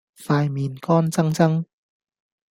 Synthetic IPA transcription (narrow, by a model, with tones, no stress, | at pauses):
faː˧jmiː˨˧nkɔː˥˩nt͡sɐ˥ŋt͡sɐ˥ŋ